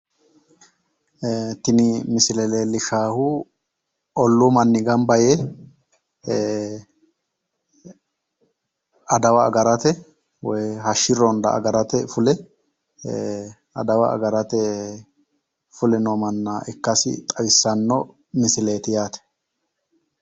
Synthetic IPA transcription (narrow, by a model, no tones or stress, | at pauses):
t̪ɪnɪmɪsɪlɛleːlɪʃaːhʊ | ɔlːumɐnːɪɡɐmbɐjɛ | ɐd̪ɐwɐːɡɐɾɐt̪ɛ | wɔjhɐʃːɪɾɔnd̪ɐ̰ːɡɐɾɐt̪ɛfʊlɛ | ɐ̰d̪ɐwɐɐ̰ɡɐɾɐt̪ɛ | fʊlɛnɔmɐnːaːʔɪkːɐsɪ̰t̪ʼɐwɪsːɐnːɔ | mɪsɪleːt̪ɪjaːt̪ɛ̥